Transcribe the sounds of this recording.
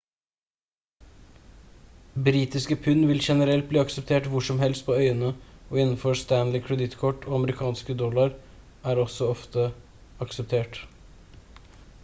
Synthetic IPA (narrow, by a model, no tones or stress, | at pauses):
bɾiːt̪ɪskəpʰʉnːʋɪlʃɛnəɾɛlt̪̚bliːɑksɛp̚t̪ʰeːʈʋʊʂɔmhɛlst̪̚pʰoːœʏənəɔːɪnn̩fɔst̪ænlɪkʰɹɛd̪ɪt̪kʰɔʈːoːɑməɾɪkʰɑːnskəd̪ɔlɑɾ | æːɾɔsɔɔft̪ə | ɑksɛp̚t̪ʰeːʈ